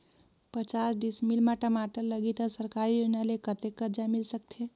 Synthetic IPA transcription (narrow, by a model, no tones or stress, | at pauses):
pət͡ʃasɖismilmaʈəmaʈəlːəɡit̪əsəɾkaɾionalekət̪ekːəɾd͡ʒamilsəkt̪ʰe